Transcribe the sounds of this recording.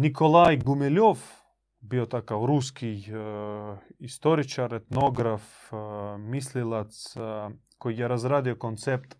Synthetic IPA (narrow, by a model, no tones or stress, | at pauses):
nikʰolˠajɡumɛlʲof | biot̪akawɾuskʰij | ist̪oɾit͡ʃaɾɛt̪noɡɾaf | mislilˠat̪skojjɛɾazɾad̪iokont̪sɛp̚t̪